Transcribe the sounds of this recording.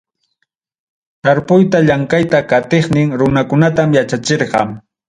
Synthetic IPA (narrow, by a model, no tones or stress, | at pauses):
t̪aɾpʊjt̪aʎaŋkajt̪akat̪eχnɪŋɾʊnakʊnat̪amjat͡ʃat͡ʃeɾqɑ̰m